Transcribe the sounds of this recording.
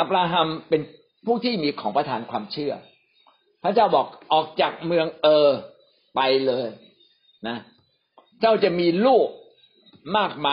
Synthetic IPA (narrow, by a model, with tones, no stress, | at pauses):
ʔa˧˩p̚ɾaː˧ɦa˧mpe˧n | pʰuː˥˩t̪ʰiː˥˩miː˧kʰɔː˩˦ŋpɾa˧t̪ʰaː˨˩˦nkʰwaː˧mt͡ɕʰɯ˥˩ɐ | pʰɾa˦˥t͡ɕaː˥˩wbɔː˨˩k̚ʔɔː˨˩k̚t͡ɕaː˨˩k̚mɯ˧əŋʔɤː˧ | pa˧jlɤː˧j | na˦˥ | t͡ɕʰa˥˩wt͡ɕa˨˩miː˧luː˥˩p̚ | maː˥˩k̚maː˧